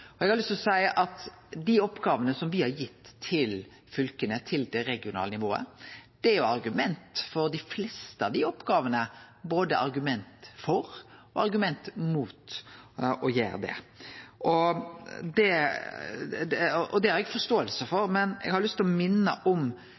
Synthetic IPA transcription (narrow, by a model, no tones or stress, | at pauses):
ɔɛɡhɑɾlst̪lɔsæɪəʔɑt̪ | d̪iɔpːɡɑːʋənəsɔmʋɪhɑɾjɪt̪ːʰɪl | fʏlkənət̪ʰɪld̪ɛɾɛɡɪʊnɑ̰ːlənɪʋoːə̰d̪̥ɛæɾjʊɑɾɡʉmɛnt̪fɔɾd̪ɪflɛːst̪əɑʋd̪ɪɔpɡɑːʋənəboːd̪əʔɑ̰ɾɡʉmɛnt̪fɔɾɔɑɾɡʉmɛnt̪muːt̪ | ɔjḛːɾd̪ɛ̰ | ɔ | d̪ɛ | ɔd̪ɛæɾɛɡfɔɾst̪oːəlsəfɔɾmɛnɛ̰ɡhɑɾjʊlʏst̪lɔmɪnːə̰ʔɔm